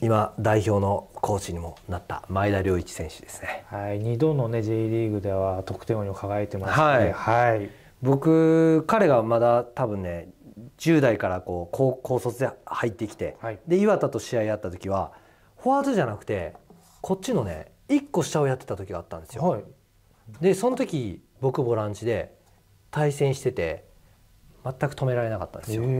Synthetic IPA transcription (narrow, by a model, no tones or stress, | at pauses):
imad̪aiço̞ːno̞kʰo̞ːt͡ɕiɲ̟imo̞nat̪ːa̰maid̪aɾʲo̞ːit͡ɕi̥sẽ̞ɰ̃ɕɨ̥d̪̥e̞sɨ̥ne̞haiɲid̪õ̞nːone̞d͡ʑeiɾʲiɡɯ̟d̪e̞βat̪o̞kɯ̟̥t̪eoɲiokaɡaet̪e̞mashaihai | bo̞kɯ̟kaɾe̞ɡamad̪at̪abɯ̟̃nːe̞d͡ʑɨːd̪aikaɾako̞ːkʰoːkʰo̞ːso̞t͡sɨd̪e̞hait̪ːe̞kʲi̥t̪e̞d̪e̞iβat̪at̪o̞ɕiaiat̪ːat̪o̞kʲiβ̞a | ho̞azɨʑanakɯ̟̥t̪e̞ | kʰo̞tt͡ɕːino̞ne̞̰ | ikːo̞ɕi̥t̪aojat̪ːe̞t̪at̪okʲiɡaːt̪ːãnsɨo | d̪e̞sõ̞not̪o̞kʲi | bo̞kɯ̟bo̞ɾãɲ̟t͡ɕid̪e̞ | t̪aisẽ̞ɰ̃ɕi̥t̪e̞t̪e̞̰ | mat̪ːakɯ̟̥o̞me̞ɾaɾe̞naka̰t̪ːa̰nesjo